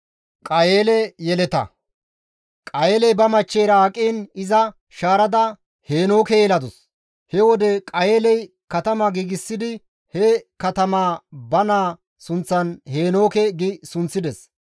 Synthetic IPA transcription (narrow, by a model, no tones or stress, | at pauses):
kʼɐjeːlɛjɛlɛt̪ɐ̰ | kʼɐjeːlɛjbɐmɐt͡ʃːejɾɐːkʼːiːnɪzɐ | ʃaːɾɐd̪ɐ | he̞ːno̞ːkɛjɛlɐd̪ɔs | hɛwɔd̪ɛkʼɐje̞ːlɛj | kɐt̪ɐmaɡiːɡɪsːɪd̪ɪ | hɛkɐt̪ɐmaːbɐnaː | sʊnt͡sːɐnhe̞ːno̞ːkɛɡɪsʊnt͡sːɪd̪ɛs